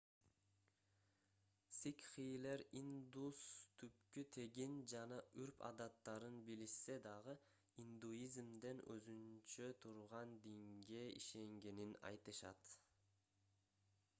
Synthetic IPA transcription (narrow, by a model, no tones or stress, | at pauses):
sikχijleɾind̪ust̪ʰyp̚kyt̪ʰe̞ɡind͡ʒɑnɑyɾpɑ̰d̪ɑt̪ːɑɾɯnbilise̞d̪ɑʁɯ | ind̪uizmd̪enø̰zynt͡ʃøt̪ʰuɾʁɑnd̪iŋɡeḭʃe̞ŋɡeninɑ̰jt̪ɯʃɑ̰t̪